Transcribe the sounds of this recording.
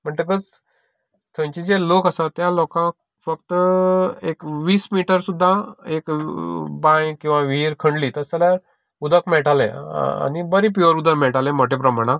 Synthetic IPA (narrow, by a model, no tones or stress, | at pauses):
m̤əɳt̪əɡəd͡z | t̪ʰə̃t͡ɕid͡zelokəsat̪jalɔkã | fəkt̪əekʋiːsmiʈəɾsud̪ʱːaek | bãjkĩw̃ʋaʋiɾkʰəɳɖliːt̪əɾsalja | ud̪ʱəkmeɭʈalḛ̃a̰nibəɾip̬joɾud̪ʱəkmɛɭʈalẽmoʈepɾəmaɽ̃ã